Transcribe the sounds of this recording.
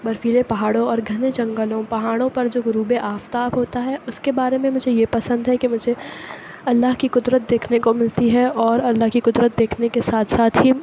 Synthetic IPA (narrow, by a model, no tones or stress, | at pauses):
bɐɾfiːlepɐɦaːɽõɔːɾɡʱɐned͡ʒɐ̃ŋɡəlõpɐɦaːɽ̃õpɐɾd͡ʒoːɡɾuːbeʔaːft̪aːbɦoːt̪aɦɛʔʊskebaːɾemẽmʊd͡ʒʱejepɐsə̃nd̪ɦɛkimʊd͡ʒʱe | ɐlːaɦkikʊd̪ɾət̪̚d̪eːkʰnekomɪlt̪iɦɛɔːɾɐlːaɦkikʊd̪ɾət̪̚d̪eːkʰnekesaːt̪ʰsaːt̪ʰɦi